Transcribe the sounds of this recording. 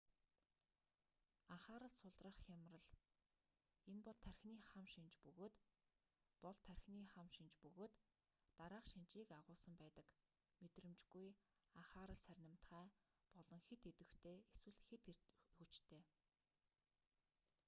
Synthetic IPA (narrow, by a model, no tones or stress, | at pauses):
aχaːɾə̆ɮsʊɮrə̆χxʲamrə̆ɮ | enpɔɮt̪ʰærʲxniːχamʃint͡ɕpɵɣoːt̪ | pɔɮt̪ʰærʲxniːχamʃint͡ɕpɵɣoːt̪ː | aɾaːqʃint͡ɕiːkaʁʊːsə̆mpæːt̪ə̆k | met̪rɘ̆mt͡ɕɡuj | aχaːɾə̆ɮsærʲnə̆m̥t̪χæːpɔɮɞ̆ŋxet̪et̪ɘ̆xt̪ʰeːeswɘ̆ɮxet̪xut͡ɕt̪ʰeː